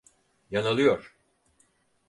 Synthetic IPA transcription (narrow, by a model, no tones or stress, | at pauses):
janalˠɯjoɾ̥